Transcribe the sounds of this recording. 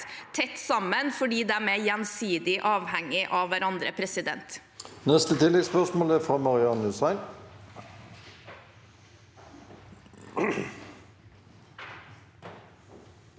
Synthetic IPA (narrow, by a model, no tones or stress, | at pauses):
t̪ʰɛt̪ːsɑmːənfɔɖiːd̪ɛæːmejɛnsiːd̪ɪʔɑːʋhɛŋːɪʔɑʋːæɾɑnd̪ɾəpʰɾɛsɪd̪ɛ̰nt̪ | nɛst̪ət̪ʰɪlːɛɡspœʁsmoːləæfʁɑmɑʁɪɑnʉsæɪn